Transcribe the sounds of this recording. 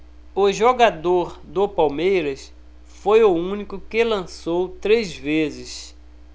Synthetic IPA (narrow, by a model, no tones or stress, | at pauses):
ʊʒoɡad̪oɾd̪ʊpawmejɾɐs | fojʊũnikʊkɪlɐ̃sowt̪ɾezvezɪs